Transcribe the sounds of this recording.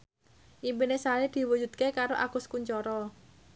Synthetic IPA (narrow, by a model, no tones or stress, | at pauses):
ʔimpinesalid̪̥i̤wu̥d͡ʒṳd̪̚kekaɾoʔa̰ɡ̥ʊskuɲt͡ʃɔɾɔ